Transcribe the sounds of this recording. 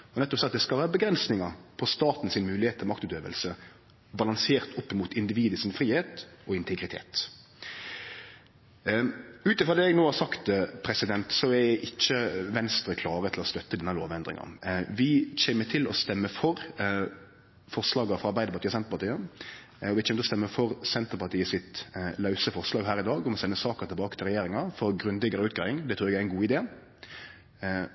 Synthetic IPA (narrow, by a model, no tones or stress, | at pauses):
ɔnɛt̪ːɔpsɛɑt̪d̪ɛskɑlʋæːɾəbəɡɾɛnsnɪŋɑɾpʰɔst̪ɑːt̪n̩sɪnmʉːlɪheːt̪ʰːlmɑkt̪ʉt̪øːʋə̰lsə | bɑlɑŋseːʁt̪ʰʊpːɪmuːt̪ʰɪnd̪ɪʋiːd̪əsɪnfɾiːheːt̪ɔɪnt̪ʰɛɡɾɪt̪ʰḛːt̪ | ʉːt̪ɪfʁɔd̪eːɛɡnoːhɑɾsɑkt̪pʰɾɛsɪd̪ɛnt̪sɔɛʔɪt͡ʃːəʋɛnst̪ɾəkʰlɑːɾət̪ʰɪlɔst̪œt̪ːəd̪ɛnːəlo̰ːʋɛnd̪ɾɪ̰ŋɑ̰nʋɪc͡çɛːmət̪ʰɪlɔst̪ɛmːəfɔɾ | fɔʁʂlɑːɡəfʁɑɑɾbæɪd̪əpɑt̪iːɔsɛnt̪əɾpɑt̪iːə | ɔʋɪçʰɛːmət̪ʰːɔst̪ɛmːəfɔɾsɛnt̪əɾpɑt̪ʰiːəsɪt̪lɑʉsəfɔʁslɑːɡɦæːɾɪd̪ɑːɡɔmɔsɛnːəsɑːkəʁt̪ʰɪbɑːkət̪ʰɪlʁɛjeːɾɪŋɑfɔɾɡɾʉnd̪ɪɡəɾəʉːt̪̚ɡɑːɪŋd̪ɛt̪ʰɾʉːɾɛɡæɛɛnɡuːɪd̪eː